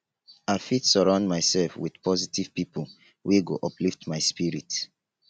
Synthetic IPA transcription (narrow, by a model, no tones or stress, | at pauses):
aɪfitsɔɹãʊ̃ndmaɪsɛlfwiðpɔzitiv̥pipo | weɡo̰ʔɔpliftmaɪspiɹit